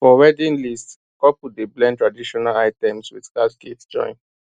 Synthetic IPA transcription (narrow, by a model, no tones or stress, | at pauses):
fɔɹɛdĩnlist | ɔpudeblɛ̃ntɹadiʃɔnalaɪtɛ̃mswiðtatketd͡ʒɔ̰̃ɪ̃n